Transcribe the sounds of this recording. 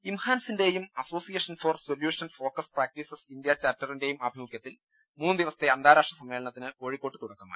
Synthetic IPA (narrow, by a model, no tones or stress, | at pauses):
imhaːnsinde̞jumɐso̞ːsijɐʂɐnfoːrsoljuːʂɐnfo̞ːkɐspraːk̚ʈisɐsind̪jɐt͡ɕaːtːɐrinde̞jumɐbʱimukjɐt̪ːil | muːnːɨd̪iʋɐsɐ̥t̪ːe̞ɐnd̪ʱaːɾaːʂʈrɐsɐmːe̞ːɭɐɳɐt̪ːinɨoːɻikːo̞ːʈːɨt̪uɽɐkːɐma̰ː